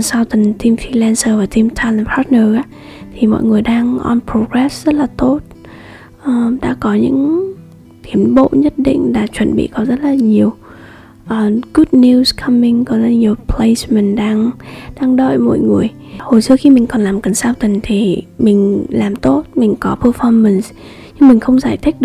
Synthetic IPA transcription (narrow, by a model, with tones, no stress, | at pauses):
nsaː˧wt̪i˨˩ŋt̪i˧mfi˧lɛ˧nsəː˧vaː˨˩t̪i˧mt̪ʰa˧lə˧mpʰa˦˥t̚nəː˧ʔaː˧˦˥ | t̪ʰi˨˩mɔ̰˧˨jŋɨ˨˩əjɗaː˧ŋʔɔ̰˧npɹo˧ɣɹɛ˦˥szə˦˥t̚laː˨˩t̪o˦˥t̚ | ʔəː˨˩ɗa̰ː˧˥kɔ˨˦ɲɨ̰˧˥ŋ | t̪ʰi˨˦əmɓo̰˧˨ɲə˦˥t̚ɗḭ̈˧˨ŋ̟laː˨˩t͡ɕwə̰˧˨nɓḭ˧˨kɔ˨˦zə˦˥t̚laː˨˩ɲi˨˩əw | ʔəː˨˩ɣu˦˥t̚ni˧skʰə˧mï˧ŋkɔ˨˦za˧˩ɲi˨˩əwpʰle˧jsmə̈˨˩ŋ̟ɗaː˧ŋɗaː˧ŋɗə̰ː˧˨jmɔ̰˧˨jŋɨ˨˩əj | ho˨˩jsɨ˧əxi˧mï˨˩ŋ̟kɔ˨˩nlaː˨˩mkə˨˩nsaː˧wt̪ï˨˩ŋ̟t̪ʰi˨˩mï˨˩ŋ̟laː˨˩mt̪o˦˥t̚mï˨˩ŋ̟kɔ˨˦pʰəː˧fɔ˧mə˨˩ns | ɲɨ˧ŋmï˨˩ŋ̟xə˧wŋ͡mzaː˧˩jt̪ʰï˦˥k̟̚ɗɨ˨˧˩